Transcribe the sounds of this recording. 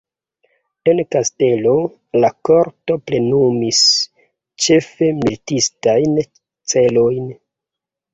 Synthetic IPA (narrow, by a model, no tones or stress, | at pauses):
e̞nkaste̞lo̞ | lako̞ɾto̞ple̞numis | t͡ʃe̞fe̞miltistajn | t͡se̞lo̞jn